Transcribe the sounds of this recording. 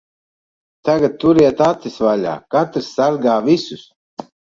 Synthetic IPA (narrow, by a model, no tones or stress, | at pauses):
t̪aɡat̪̚t̪ːuɾiɛt̪at̪isvaʎʲa̰ːkat̪ɾsːaɾɡaːvisus